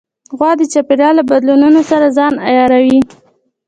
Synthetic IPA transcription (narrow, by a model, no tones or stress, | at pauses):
ɣwɑd̪ət͡ʃapeɾɑlabad̪lununosaɾazɑnajɑɾawi